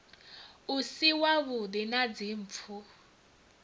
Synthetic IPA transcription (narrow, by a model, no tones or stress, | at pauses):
usiwaβud̪inad͡ziɱp̪fʰu